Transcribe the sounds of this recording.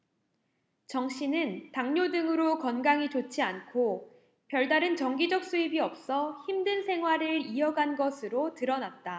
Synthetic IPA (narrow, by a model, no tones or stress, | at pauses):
t͡ɕʌŋɕʰinɯntaŋɲodɯŋɯɾokʌnɡaŋit͡ɕot͡ɕʰiankʰo | pjʌɭdaɾɯnt͡ɕʌŋɡid͡ʑʌk̚s͈uibiʌp̚s͈ʌçimdɯnsʰe̞ŋɦwaɾɯɭiʌɡanɡʌsʰɯɾotɯɾʌnat̚t͈a